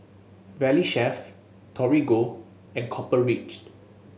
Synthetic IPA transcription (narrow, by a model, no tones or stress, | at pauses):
vɛliʃɛf | tʰɔɹiɡo | ɛ̃nkʰɔpəɹit͡ʃ